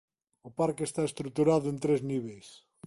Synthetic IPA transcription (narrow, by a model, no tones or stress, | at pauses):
ʊpaɾkest̪aest̪ɾut̪uɾaðʊẽnt̪ɾezniβejs